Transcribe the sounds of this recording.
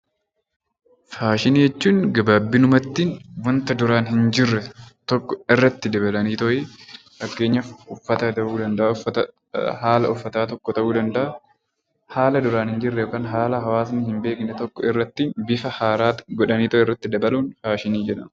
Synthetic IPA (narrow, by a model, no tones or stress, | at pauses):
faːʃɪniːjɛt͡ʃːuːŋɡɐbaːbːɪnʊmɐt̪ːiːnwɐnt̪ɐd̪ʊɾaːnhɪnd͡ʒɪrːɛt̪ɔkːɔɪrːɐt̪ːɪd̪ɐbɐlɐniːt̪ɔʔɛ | fɐkːe̞ːɲːɐʊfːɐt̪ɐt̪ɐʔuːd̪ɐnd̪ɐʔat̪ | haːlɐʊfːɐt̪aːt̪ɔkːɔt̪ɐʔuːd̪ɐnd̪ɐʔɐ | haːlɐd̪ʊɾaːnhɪnd͡ʒɪrːɛjoːkaːnɦaːlɐɦɐwaːs̬nɪhɪmbe̞ːknɛt̪ɔkːɔɪrːɐt̪ːiːnbɪfɐhaːɾaːɡɔᶑɐniːt̪ɔʔɛɪrːɐt̪ːɪd̪ɐbɐluːnfaːʃɪniːd͡ʒɛᶑɐn